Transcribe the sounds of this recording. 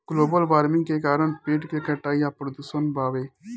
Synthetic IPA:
ɡ̥loːbəlʋaːɾmɪ̃ŋɡkeːkaːɾəɳpeːʈkeːkʰəʈːaːijaːpɾəd̪uːsənbaːʋeː

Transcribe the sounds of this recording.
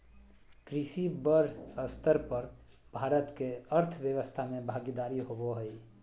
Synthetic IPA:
kɾɪʃibəɾəst̪ʰəɾpəɾ | bʱaːɾət̪keəɾt̪ʰwjəwəst̪ʰamẽbʱaːɡid̪aːɾiɦoboɦəi

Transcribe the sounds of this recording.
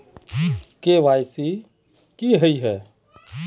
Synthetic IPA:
keʋajsi | kiɦəiɦɛː

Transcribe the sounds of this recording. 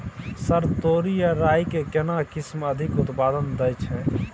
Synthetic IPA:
səɾt̪oɾijəɾaːjkekenakɪsməd̪ʱɪkut̪paːd̪ənd̪əjt͡ʃʰɛ̃

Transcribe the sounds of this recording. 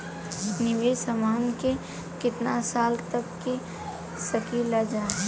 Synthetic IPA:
nɪʋeːɐmaːnke | kɪt̪nasaːlt̪əkːe | səkilad͡ʒaː

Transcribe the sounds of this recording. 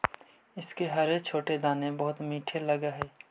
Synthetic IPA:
ɪskeɦɐɾekt͡ʃʰoːʈed̪aːnebɐɦʊt̪miːʈʰelɐɡaɦɛː

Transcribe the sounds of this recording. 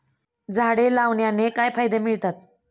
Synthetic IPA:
d͡zʱaɽelawnjanekajpʰajd̪emiɭt̪at̪̚

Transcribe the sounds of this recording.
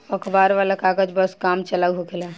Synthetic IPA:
əkʰbaɾʋalakaɡəd͡ʒbəskamt͡ʃəlawɦokela

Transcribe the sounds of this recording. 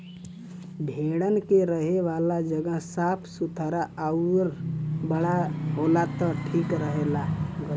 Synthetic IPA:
bʱeːɽənkeɾəɦeʋaːlad͡ʒəɡəɦsaːpʰsʊt̪ʰəɾaʔəɾbəɽaɦoːlat̪əʈʰiːkɾəɦeːlaɡ

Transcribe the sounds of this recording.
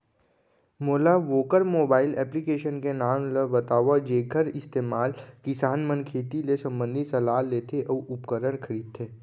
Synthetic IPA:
moːlaʋoːkəɾmoːbaːɪlɛːplikeːʃənkenaːmləbɐt̪aːʋad͡ʒeːɡʰʱəɾɪst̪eːmaːlkɪsaːnmənkʰeːt̪ilesɐ̃mbə̃nd̪ʱisɐlaːlleːt̪ʰeʔɔːʊpkəɾəɽ̃kʰɐɾiːd̪̚t̪ʰeː

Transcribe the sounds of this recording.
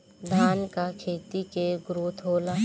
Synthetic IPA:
d̪ʱaːnkakʰeːt̪ikeɡɾoːt̪ʰoːlaː

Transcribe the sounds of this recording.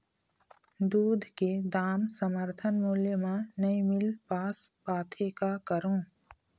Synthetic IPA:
d̪uːd̪ʱked̪aːmsəməɾt̪ʰənmuːljəmẽnɐimɪlpaːspaːt̪ʰekakəɾõː

